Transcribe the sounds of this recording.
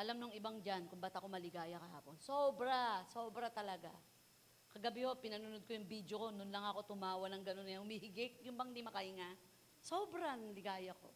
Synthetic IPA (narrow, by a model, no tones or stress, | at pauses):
ʔɐlamnʊŋɪbaŋd͡ʒankʊŋbɐt̪ɐko̞mɐlɪɡaːjɐkɐɦa̰ːponsoːbɾaso̞ːbɾɐt̪ɐlɐɡa̰ | kɐɡɐbɪho̞pɪnɐnʊnod̪̚kojʊŋbid̪joko̞nʊnlɐŋɐko̞t̪ʊmaːwɐnɐŋɡɐnonːɐhʊmiːhɪɡɪk̚jʊmbɐŋɪnd̪imɐkɐʔɪŋa | soːbɾɐnlɪɡaːjɐko̞̰